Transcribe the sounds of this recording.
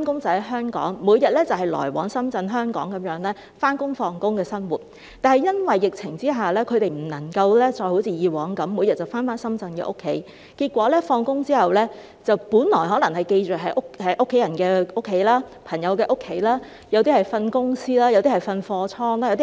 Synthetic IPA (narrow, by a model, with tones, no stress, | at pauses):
aː˥nkʊ˥ŋt͡sɐ˨˩hɐ˨˥jɦœː˥ŋkɔ̰ː˨˥ŋmuː˨˧jɐ˨t̚lɛː˥t͡sɐ˨˩wɦɐ˨jlɔ̰ː˨˩jwɔ̰ː˨˥ŋsɐ˥mt͡sɐ˧nɦœː˥ŋkɔː˨˥ŋkɐ˨˦mjœː˨˥ŋlɛː˥ | faː˥nkʊ˥ŋfɔː˧ŋkʊ˥ŋkɛː˧sɐ˥nwuː˨˩t̚ | t̪aː˨nhɐ˨jɐ˥nwɐ˨jːɪ˨˩k̚t͡sʰɪ˨˩ŋt͡siː˥ɦaː˨˩lɛː˥kʰɵ˨˧ɥt̪e˨jm̩˨˩nɐ˨˩ŋkɐ˧wlɛː˥t͡ʃɔː˧jho˨˧˥wt͡sʰiː˨˧jiː˨˧wɔː˨˥ŋkɐ˨˥mːuː˨˧jɐ˨t̚t͡sɐ˨˩wfaː˥nfaː˥nsɐ˥mt͡sɐ˧nkɛ̰˧ʔʊ˥kʰːe˨˥j | kiː˧t̚kʷɔː˨˥lɛː˥fɔː˧ŋkʊ˥ŋt͡siː˥hɐ˨wlɛː˥ | t͡sɐ˨wpuː˨˥nlɔː˨˩jɦɔː˨˥lɐ˨˩ŋhɐ˨jke˧jt͡ʃœː˨˩ɦɐ˨˥jʔʊ˥khɐ˨˥jʔʊ˥kʰːe˨˥jɐ˨˩nkɛː˧ʊ˥kʰːe˨˥jlaː˥pʰɐ˨˩ŋjɐ˨˧wkɛː˧ʔʊ˥kʰːe˨˥jlaː˥ | jɐ˨˧wt̪iː˥hɐ˨jfɐ˧nkʊ˥ŋsiː˥laː˥jwt̪iː˥hɐ˨˩jfɐ˧nfɔː˧t͡sʰɔː˥ŋlaː˥jt̪i˥